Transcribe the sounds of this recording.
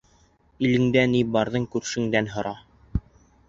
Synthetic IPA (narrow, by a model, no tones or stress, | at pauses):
ilɘ̆ŋd̪ænibɑɾðɤɴkʉɾʃɘ̆ŋd̪ænɦŏɾʔɑ